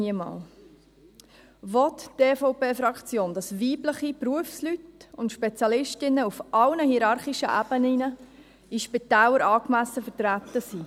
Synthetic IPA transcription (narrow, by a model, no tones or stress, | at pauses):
iəmɑ̰ːl | ʋɔtdeːfɔʊpeːfɾɑkt͡sjoːndɑsʋiːbləχipɾuəfslytʊntʃpɛt͡sjɑlɪʃtɪnːəufʔɑlnəhiɾɑɾχiʃəʔæb̥ənɪnə | iʃpit̪æːləɾʔɑːkmæsəfəɾtɾæt̪ːəsi